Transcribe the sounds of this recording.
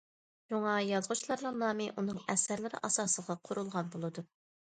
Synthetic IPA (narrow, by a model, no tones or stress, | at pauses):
ʃuŋɑjɑzʁʊt͡ʃʰilˠɑɾnɨŋnɑːmɪʔunɨŋɛsæɾlɪɾɪ̰ʔɑsɑːsəʁɑqʰʊɾulˠʁɑnbolˠɨd̪u